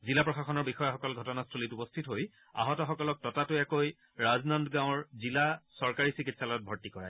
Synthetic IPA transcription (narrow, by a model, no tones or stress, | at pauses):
zilapɹɔxaxɔnɔɹbixɔjaxɔkɔlɡʱɔtɔnastʰolitupɔstʰitɦoj | a̰ɦɔtɔxɔkɔlɔk̚tɔtatʊɛkoj | ɹaznɔndɡãʊ̃ɹzilasɔɹkaɹisikitsalɔɔt̚bʱɔɹtikɔɹa̰j